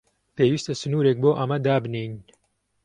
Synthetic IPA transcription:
peːwiːst̪ɐsɨnuːɾeːk̚boːʔɐmɐd̪aːbneːjn

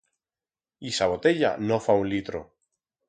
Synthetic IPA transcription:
isaβot̪e̞ʎa̰nofaunlit̪ɾo

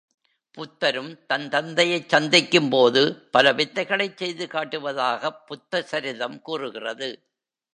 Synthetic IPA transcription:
pʊt̪ːɐɾɯmt̪ɐnt̪ɐnd̪ɐjɐɪt͡ʃːɐnd̪ɪkːɯmpoːðɯpɐlɐʋɪðːɐɪɣɐɭɐɪt͡ʃsɛjðɯkaːʈːɯʋɐðaːɣɐpːʊt̪ːɐsɐɾɪðɐmkuːrɯɣɪrɐðɯ

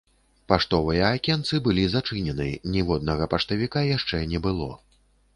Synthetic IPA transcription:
paʂt̪ɔvɨjɐːkʲɛnt̪sɨbɨlʲizat͡ʂɨnʲɛnɨjnʲɛvɔd̪̚nɐɣɐpaʂt̪ɐvʲikajaʂt͡ʂɛnʲɛbɨlˠɔ̰

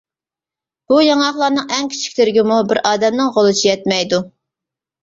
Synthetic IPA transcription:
b̥ujɑŋɑχlˠɑɾnɨŋɛŋkʲʰi̥t͡ʃʰi̥kʲlɪɾɪɡʲimubɪɾʔɑːd̪ɛmnɪŋʁolˠɨt͡ʃʰijɛt̪̚mɛjd̪u

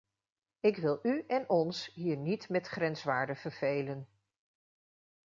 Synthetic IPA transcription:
ɪkʋɪlˠyɛnɔnsɦiːɹnitmɛtχrɛnsʋaːɹdəv̥əɹv̥ejlən

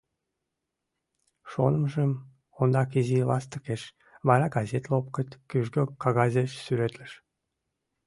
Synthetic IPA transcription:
ʃo̰nəmʒəm | ond̪ɑkizilɑ̰st̪əkeʃ | βɑɾɑɡɑzʲet̪lop̚kət̪ʲkyʒɡøkːɑɣɑzʲeʃsyɾet̪ləʃ

